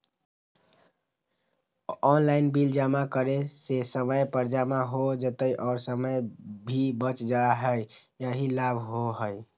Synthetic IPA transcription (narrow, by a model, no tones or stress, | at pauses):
ɔnlainbild͡ʒamakəɾesesəməjpəɾd͡ʒamaɦod͡ʒət̪əjʔɔːɾsəməjbʱibət͡ʃd͡ʒaɦəj | jəɦilabʱɦoɦəj